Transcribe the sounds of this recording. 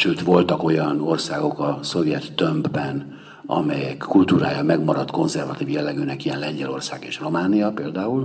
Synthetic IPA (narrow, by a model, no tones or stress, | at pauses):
ʃøːt̪ʋo̞lt̪ɒko̞jɒno̞rsaːɡo̞kɒso̞vjɛt̪ːømbbɛn | ɒ̰mɛjɛkʰːult̪uːɾaːjɒmɛɡmɒɾɒt̪ko̞nzɛrvɒt̪iːvjɛlːɛɡyːnɛkijɛnlɛɲɟɛlo̞rsaːɡeːʃro̞maːnijɒpeːld̪aːul